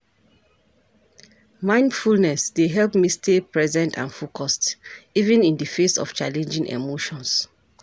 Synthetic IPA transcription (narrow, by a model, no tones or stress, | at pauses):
mãɪ̃ndfulnɛsdeɦɛlpmistepɹɛzɛ̃ntʰã̰nfokʰɔstivɛ̃nĩndəfesɔ̰ft͡ʃalɛ̃nd͡ʒĩŋʔḛmoʃɔ̃ns